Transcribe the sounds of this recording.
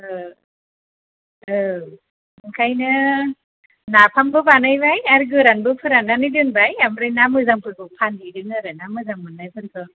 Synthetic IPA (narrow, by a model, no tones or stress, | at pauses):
ɯ | ɯ | ɯŋkʰajnɯ | napʰambɯbanɯjbajaɾɡɯɾanbɯpʰɯɾananɯjdɯŋbajamɾɯjnamɯzaŋpʰɯɾbɯpʰandidɯŋɯɾɯnamɯzaŋmɯnnajpʰɯɾkʰɯ